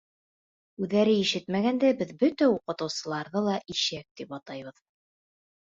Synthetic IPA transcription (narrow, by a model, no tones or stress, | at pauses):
ʉðːæɾɘiʃɘt̪mæɡænd̪æbɘðbɵt̪æuqɤ̆t̪ɤ̆wsɤ̆lˠɑɾðɤlˠɑʔiʃæk̚t̪ipɑt̪ɑjβɤð